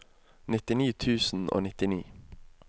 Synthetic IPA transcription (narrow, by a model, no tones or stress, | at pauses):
nɪt̪ɪniːt̪ʰʉːsn̩ʔo̰ːnɪt̪ɪnḭː